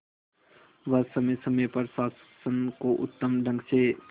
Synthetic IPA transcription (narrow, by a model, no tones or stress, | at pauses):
ʋəsəməsəməjpɐɾsaːs | sənkoʔʊ̰t̪ːəmɖʱə̃ŋɡse